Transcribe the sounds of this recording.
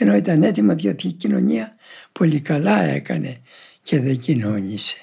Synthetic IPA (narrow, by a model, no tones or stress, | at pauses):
enoit̪ɐnet̪imot̪jot̪icʲːino̰ɲiɐ | polʲikɐlaḛkɐne | ceðecinoɲise̥